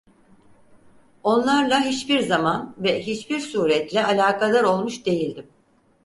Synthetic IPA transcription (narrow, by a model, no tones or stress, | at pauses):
o̞nlˠaɾlˠaɦit͡ʃbiɾzamanvɛɦit͡ʃbiɾsuːɾɛt̪lʲɛʔalʲaːkʰad̪ˠaɾo̞lˠmuʃd̪e̞jilʲd̪im